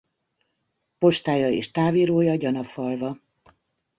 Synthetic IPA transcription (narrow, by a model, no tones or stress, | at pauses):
po̞ʃt̪aːjɒeːʃt̪aːviːɾoːjɒɟɒnɒfɒlvɒ